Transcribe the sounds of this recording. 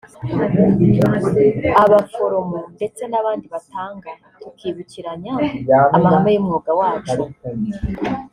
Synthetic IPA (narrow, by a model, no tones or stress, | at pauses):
aβafo̞ɾo̞monde̞t͡se̞naβaːndiβatʰaːŋɡa | kiːβuciɾaɲaamaɡamajimŋoːɡawaːt͡ʃ